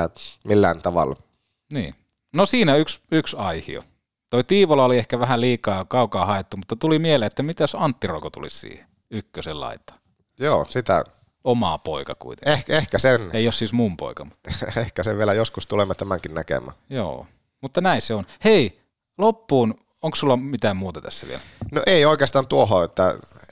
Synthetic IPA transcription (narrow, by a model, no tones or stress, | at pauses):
milːæːnt̪ɑʋɑ̰l | nḭː | nosiːnæyksyksɑihḭo̰ | t̪oit̪iːʋolɑoliehkæʋæhæliːkɑːkɑukɑːhɑet̪ːumut̪ːɑt̪ulimieleet̪ːæmit̪æsɑnt̪ːiro̰kot̪ṵlḭssḭːhe̥ | ykːøsellɑ̰it̪ːˑɑ̥ | joːsit̪æ̰ | omɑːpo̰ikɑkṵit̪e̥̰ehkehkæseneiossiːsmumpo̰ikɑmu̥t̪ːehkæseʋʋielæjoskust̪ulemːɑt̪æmæŋkinnækḛmˑæ̰ːjo̰ː | mut̪ːɑnæiseonhei | lopːuːn | oŋkssulːɑmit̪æːmmuːt̪ɑt̪æ̰sːæʋḭḛlnoʔeˑioˑikeɑst̪ɑːnt̪uohoet̪ːæ̰